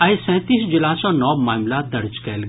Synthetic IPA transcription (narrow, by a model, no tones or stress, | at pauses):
ajsɛ̃ːt̪iːsd͡ʒɪlaːsɔ̃nɔːmaːmlad̪ɐɾd͡ʒkɛːlɡ